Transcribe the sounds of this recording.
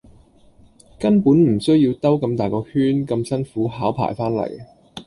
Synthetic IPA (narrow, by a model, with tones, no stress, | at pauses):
kɐ˥npuː˨˥nm̩˨˩sɵ˥ɥjiː˧wt̪ɐ˥wkɐ˧mt̪aː˨jkɔː˧hyː˥nkɐ˧msɐ˥nfuː˨˥ɦaː˨˥wpʰa̰ː˨˩jfaː˥nlɐ̰˨˩j